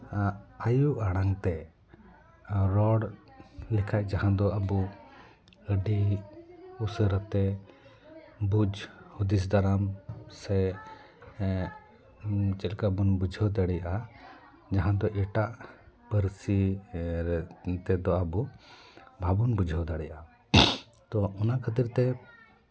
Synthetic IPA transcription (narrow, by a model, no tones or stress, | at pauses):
ajuʔaɽ̃aŋt̪ɛ | ɾɔɽlɛkʰaʔd͡ʒaɦãd̪ɔabu | əɖi | usəɾt̪ɛ | bud͡ʒhud̪is̬d̪aɾamsɛ | t͡ʃɛlkabunbud͡ʒʱəwd̪aɽɛjaʔa | d͡ʒaɦãd̪ɔʔɛʈaʔ | pəɾsiɾt̪ɛd̪ɔabu | bʱabunbud͡ʒʱəwd̪aɽɛjaʔa | t̪ɔɔnakəd̪iɾt̪ɛ